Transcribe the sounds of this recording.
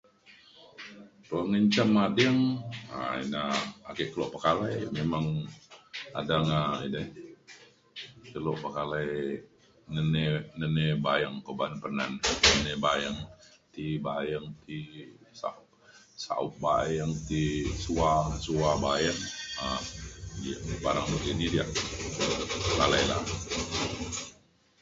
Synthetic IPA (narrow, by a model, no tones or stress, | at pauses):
t̪uaŋəɲt͡ʃamːadiəŋa̰ḭna̰ːkeʔkəluʔpəkalajmemaŋ | a̰daŋainə | kəloʔpəkalaj | nənenənebajaŋkobanpəna̰nnənebajaŋ | t̪ibajaŋt̪isa̰p̚ | sa̰up̚bajaŋt̪isuasuabajaŋa | diaʔbaɾaŋbət̪inidiaʔ | kalajla̰